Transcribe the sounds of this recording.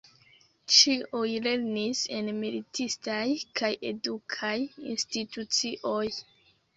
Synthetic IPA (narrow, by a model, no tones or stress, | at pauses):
t͡ʃiʔujle̞ɾnise̞nmilitʰistajkʰaje̞̰dukʰajḭnstitut͡siʔo̞j